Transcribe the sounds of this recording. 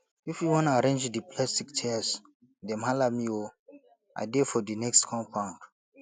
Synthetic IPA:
ifjuwɔ̃naɾẽnd͡ʒdipʰlastiktʰɛas | dɛ̃mhalamio | a̰defɔdinɛkstkʰɔ̃mpʰãʊ̃nt

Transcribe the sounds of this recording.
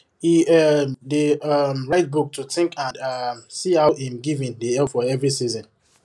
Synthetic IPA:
iɛdeʌmɹaɪt̚buk̚tʰutɪ̃ŋkãnʌmsihawãmɡivĩndeɛlfɔɛvɹisizɔ̃n

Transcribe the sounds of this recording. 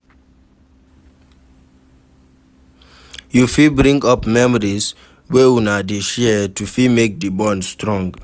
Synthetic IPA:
jufibɹĩŋɡɔpmɛmɔɹis | wɛwunadiʃɛtufimek̚dəbɔ̃ndstɹɔ̃ŋɡ

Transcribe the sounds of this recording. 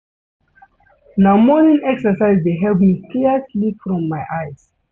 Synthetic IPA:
namɔnĩnɛksəsaɪzdeɦɛlpmikislifɹɔ̃mːaɪʔaɪz̥

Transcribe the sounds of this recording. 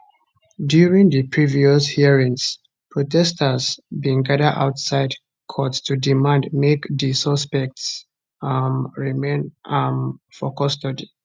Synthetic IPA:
djuɹĩŋðɨpʰɹiviɔshiɹĩŋs | pʰɹɔtʰɛstʰəzbĩŋɡadəda̰ʊtsaɪd | kʰɔtstʰudimãndmekðisɔspɛk̚ts | ɹimẽnamfɔkɔstɔd

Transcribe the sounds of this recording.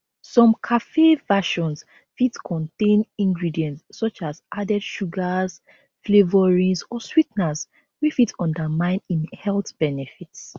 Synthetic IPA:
sɔ̃mkʰafevaʃɔ̃ns | fitkʰɔ̃ntẽnĩŋɡɹidiɛ̃ntsːɔt͡ʃazʔadɛdʃuɡaz | flevɔɹĩŋsɔswitnas | wifitʰɔ̃ndəmãɪ̃nĩnhɛltb̥ɛnɛfits

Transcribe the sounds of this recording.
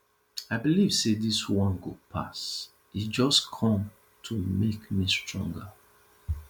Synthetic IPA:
aɪbiliv̥sediswɔ̃nɡopʰa̰s | id͡ʒɔskʰɔ̃m | tʰumekmistɹɔ̰̃ŋɡə

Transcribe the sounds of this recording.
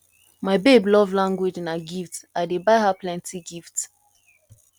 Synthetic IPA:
maɪbeblɔvlãŋɡwed͡ʒnaɡiftaɪdebaɪɦaplɛ̃ntʰiɡift

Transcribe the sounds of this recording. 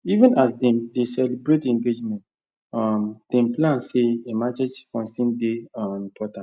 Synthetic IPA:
ivə̃nasdɛ̃mdesɛlibɹetɛ̃ŋɡed͡ʒmɛ̃nt | ɔmd̥ɛ̃mplãnseemat͡ʃɛd͡ʒfɔ̃nsĩndeɔ̃ĩmpʰɔtãnt

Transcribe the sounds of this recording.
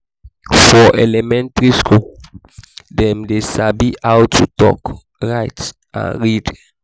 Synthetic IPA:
fɔʔelɛmɛ̃ntɹiskʰo | dɛ̃mdesabiʔawtʰːutɔ̰k | ɹaɪt | ã̰nɹid

